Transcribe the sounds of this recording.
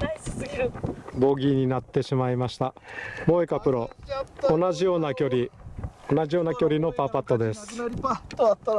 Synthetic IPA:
bo̞ɡʲiɲ̟inat̪ːe̞ɕimaimaɕi̥t̪amo̞ːekapɯ̟ɾo̞o̞naʑijo̞ːnakʲo̞ɾʲio̞naʑijo̞ːnakʲo̞ɾʲino̞papat̪ːo̞d̪e̞sɨ̥

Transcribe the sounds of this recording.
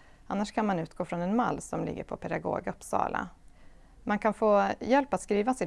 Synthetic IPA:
anːaʂkʰanmanʉ̟ːt̪ɡoːfɾɔnɛnmalːsɔmlɪ̰ɡːə̰ɾpʰɔpʰɛd̪aɡo̰ːɡɵpsɑ̰ːlʔa̰ | mankʰanfoːjɛlpat̪skɾiːvasɪ

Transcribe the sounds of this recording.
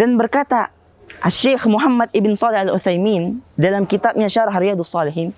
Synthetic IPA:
danbərkat̪a | ʔaʃːexmuɦamːad̪̚ɪbɪnsˤɑːlɪhalʔuθajmiːndalamkit̪ab̚ɲaʃaɾɑhrijad̪usːˤɑlɪɦiːn

